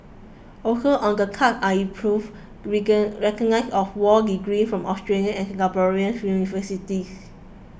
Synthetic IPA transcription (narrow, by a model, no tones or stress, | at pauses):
okəlɔ̃ndəkʰataĩpʰɹuv | ɹɛkɔɡnaɪsɔfwɔdiɡɹĩnfɹɔ̃mʔɔstɹeliə̃ɛ̃nkɛ̃ŋɡabɔɹiə̃njunivəsitis